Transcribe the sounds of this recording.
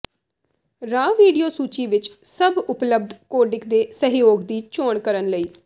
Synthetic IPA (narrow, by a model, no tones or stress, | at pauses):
ɾaːʋiːɖijoːsuːt͡ʃiːʋɪt͡ʃsəbʊpləb̚d̪ʱkoːɖɪkd̪eːsəɦjoːɡd̪iːt͡ʃoːɳkəɾənləiː